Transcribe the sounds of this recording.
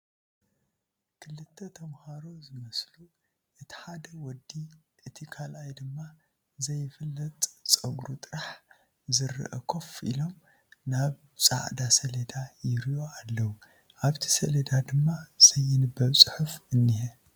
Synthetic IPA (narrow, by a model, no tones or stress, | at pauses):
kʰɨlːɨt̪ʰːɐt̪ʰɐmhaɾo̞zɨmɐslu | ʔɨt̪ʰi̥ħad̪ɐwɔd̪i | ʔɨt̪ʰikʰalajd̪ɨmːa | zɐjːɪfɨlːɐt̪ʼt͡sʼɐɡɾut̪ʼɨɾaħ | zɨrːɨ̰ʔɐkʰofḭlo̞m | naβ | sʼa̰ʔd̪asɐled̪ajɪɾijo̞alːɐwu | ʔaβt̪ʰi̥sɐled̪ad̪ɨmːaz̥ɐjːɪnɨbːɐβsʼɨħɨfɨnːihɛ